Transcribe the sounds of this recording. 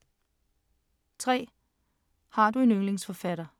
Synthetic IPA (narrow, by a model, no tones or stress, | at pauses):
t͡sʰʁɛ̰ː | hɑ̈d̥ue̝nøŋle̝ŋsfɒ̽fæɾ̥ɐ